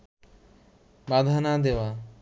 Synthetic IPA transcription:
bad̪ʱanad̪ewa

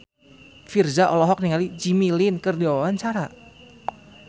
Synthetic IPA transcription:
firzaʔɔlɔɦɔk̚niŋalid͡ʒimilinkərdiɔant͡ʃaɾa

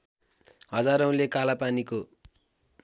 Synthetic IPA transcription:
ɦʌd͡zaɾʌũlekalapaniko

